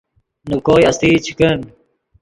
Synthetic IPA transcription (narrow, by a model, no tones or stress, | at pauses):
nukoːjɐst̪iːt͡ɕʰi̥kɐn